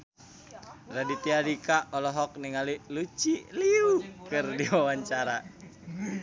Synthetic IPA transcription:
radit̪iaɾikaɔlɔɦɔk̚niŋalilut͡ʃiliukɨrdiwawaɲt͡ʃaɾa

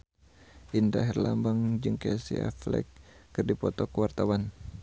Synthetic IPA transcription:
ʔindaɦɛrlambaŋd͡ʒɨŋkesia̰flɛ̰k̚ːɨrdipɔt̪ɔkəwart̪awan

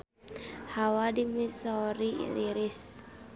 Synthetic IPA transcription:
hawadimisɔɾḭliɾis

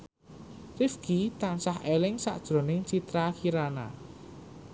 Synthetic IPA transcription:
rifɡ̥it̪ansaɦelɪŋsa̰ʔd̥ʒ̥ɾo̤nɪŋt͡ʃit̪ɾakiɾana̰

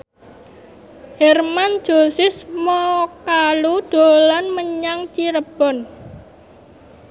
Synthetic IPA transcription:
hɛrman̥d͡ʒ̥o̤sɪsmɔkalud̪̥o̤lanməɲaŋt͡ʃiɾəb̥ɔ̤n

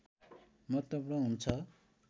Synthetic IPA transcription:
mʌt̪ʌbɾʌɦunt͡sʰʌ

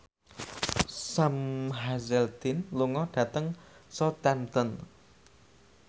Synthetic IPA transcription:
samɦazɛlt̪ɪnluŋɔɖ̥ä̤t̪əŋsɔt̪ɛmt̪ən

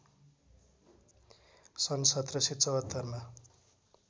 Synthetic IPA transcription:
sʌnsʌt̪rʌsit̪t͡sʌwʌt̪ːʌrma

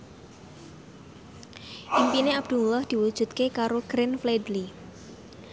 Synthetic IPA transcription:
ʔimpineab̚d̪̥ṳlɔhd̪̥i̤wud̥ʒ̥ṳt̪̚kekaɾoɡ̥ɾɪnfled̪li

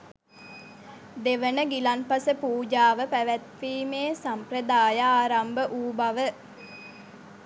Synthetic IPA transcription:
d̪eʋənəɡilanpasəpuːd͡ʒaːʋəpæʋæt̪fiːmeːsamprəd̪aːjaaːɾambəʔuːbaʋə

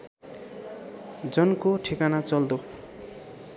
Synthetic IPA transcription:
d͡zʌnkoʈʰikanat͡sʌld̪o

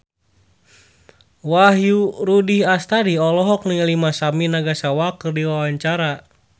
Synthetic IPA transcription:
waɦjuɾudihast̪adiɔlɔɦɔk̚niŋlimasaminaɡasawakərdiwawaɲt͡ʃaɾa

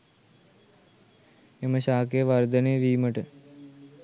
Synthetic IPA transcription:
eməɕaːkejəʋɐɾd̪ənejʋiːməʈə

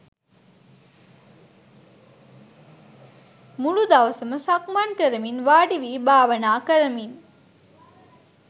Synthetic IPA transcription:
muɭud̪aʋɐsəməsakmankəɾəminʋaːɖiʋiːbaːʋɐnaːkəɾəmin

